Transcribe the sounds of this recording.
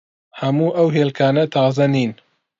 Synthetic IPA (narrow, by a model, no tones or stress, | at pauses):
hɐmuːʔɐwɦeːlkʰaːnɐt̪ʰɑːzɐniːn